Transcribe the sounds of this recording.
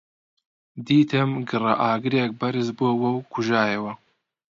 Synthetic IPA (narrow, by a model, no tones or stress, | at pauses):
d̪iːt̪ʰɨmɡɨrɐʔaːɡɨɾeːk̚bɐɾɨzboːwɐwkʰuʒaːjɐwɐ